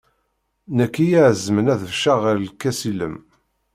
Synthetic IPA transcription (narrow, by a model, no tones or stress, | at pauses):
nækːijaʕzmənæðəvʃaʁəɾlkːæsilə̰m